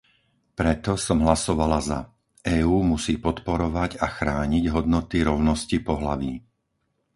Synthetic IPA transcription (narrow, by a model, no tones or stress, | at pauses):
pɾɛt̪ɔsɔmɦlasɔʋalaza̰ | ʔɛːuːmusiːpɔt̪pɔɾɔʋaɟaxɾaːɲiɟɦɔd̪nɔt̪iɾɔʊnɔscipɔɦla̰ʋiː